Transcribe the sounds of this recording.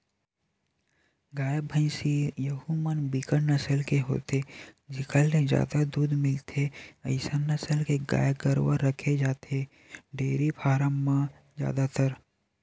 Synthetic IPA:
ɡaːjəbʱə̃ɪsijəɦumənbikəɽnəsəlkeɦo̰ːt̪ed͡ʒɪkʰəlned͡ʒja̰ːd̪ad̪uːd̪mɪlt̪ʰeəɪsənːəsəlkeɡa̰ːjəɡəɾwəɾːəkʰed͡ʒaːt̪ʰe | ɖeːɾipʰaːɾəmːã | d͡ʒja̰ːd̪at̪əɾ

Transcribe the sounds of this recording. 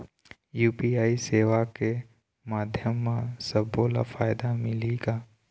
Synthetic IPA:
juːpiːaːiseːʋake | maːd̪ʱjəmːãsəboːla̰faːɪd̪amɪliɡaː

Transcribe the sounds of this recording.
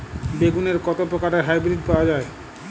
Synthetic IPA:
beɡuneɾkɔt̪opɾokaɾeɾɦajbɾid̪̚paoad͡ʑae

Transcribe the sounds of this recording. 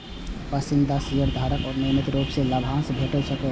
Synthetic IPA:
pəsind̪ʱasijəɾd̪ʱaɾəkɔːɾnemit̪ɾopselabʱãnsbʱeʈəlsəkɛ

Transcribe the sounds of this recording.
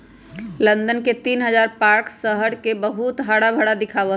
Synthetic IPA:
lənd̪ənket̪inɦəd͡ʒaɾpaɾksəɦəɽkebəɦut̪ɦaɽabʱəɽad̪ikʰabə

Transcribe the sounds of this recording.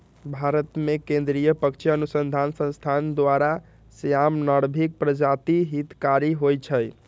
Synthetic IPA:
bʱaɾət̪mekẽnd̪ɾijəpəkt͡ʃʰjənusənd̪ʱansə̃st̪ʰand̪waɾa | səjamnaɽbʱik̚pɾəd͡ʒat̪iɦit̪kaɾiɦojt͡ʃʰəj

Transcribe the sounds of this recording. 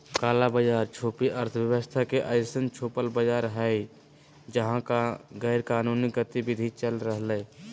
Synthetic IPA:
kaːlabəd͡ʒaːɾt͡ʃʰoːpiʔəɾt̪ʰəwjəwəst̪ʰakeʔəɪsənt͡ʃʰoːpəlbəd͡ʒaːɾɦə | d͡ʒəɦãkaɡɛɪɾkaːnuniɡət̪ibid̪ʱit͡ʃəlɾəɦləː

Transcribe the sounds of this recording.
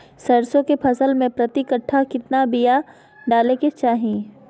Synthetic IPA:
sɐɾsõkepʰɐsəlmẽpɾɐt̪ɪkəʈʰːakɪt̪nabija | ɖaːleket͡ʃaːɦĩː

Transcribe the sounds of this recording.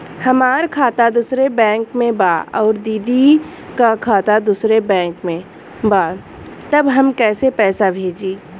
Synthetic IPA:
hɐmaːɾkʰaːt̪ad̪ʊsɾebɛ̃ːŋkmẽbaːɔːɾd̪iːd̪i | kakʰaːt̪ad̪usɾebɛ̃ːŋkmẽ | baː | t̪ɐbɦɐmkɛːsepɛːsabʱeːd͡ʒiː

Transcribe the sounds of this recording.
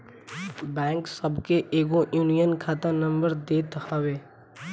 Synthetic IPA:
bɛ̃ːŋksəbkeʔeːɡõjuːnijənkʰaːt̪anə̃mbəɾd̪eːt̪həweː

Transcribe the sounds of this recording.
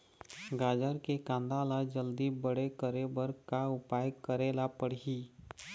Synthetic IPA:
ɡaːd͡ʒəɾkekãːnd̪alad͡ʒəld̪ibəɽekəɾebəɾkaʊpajkːəɾeːlapəɽɦiː

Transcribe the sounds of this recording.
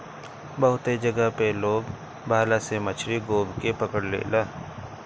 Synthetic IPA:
bəɦʊt̪ed͡ʒəɡəɦpeloːɡ | bʱaːlasemət͡ʃʰɾiɡoːbkepəkəɽlḛːlaː

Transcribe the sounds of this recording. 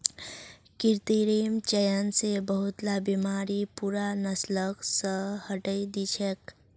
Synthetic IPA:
kiɾt̪iɾimt͡ʃəjənsebəɦut̪labimaɾipuɾanəsləksəhəʈəjd̪it͡ʃʰek

